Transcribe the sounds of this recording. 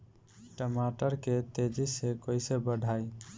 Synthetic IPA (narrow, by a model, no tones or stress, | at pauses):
ʈəmaʈəɾket̪ed͡ʒisekojsebəɖʱaj